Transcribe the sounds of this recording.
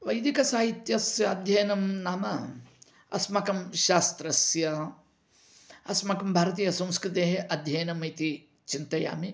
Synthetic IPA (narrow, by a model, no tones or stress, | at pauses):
ʋɐjd̪ikɐsaːɦit̪jɐsjɐːd̪ʱjɐjɐnɐmnaːmɐ | ɐ̰smɐkɐmʃaːst̪ɾɐsjɐ | ɐsmɐkɐmbʱaːɾɐt̪̬iːjɐsɐ̃mskɾit̪eːɦeʔɐd̪ʱjɐjɐnɐmɐjt̪i | t͡ʃint̪ɐja̰ːmi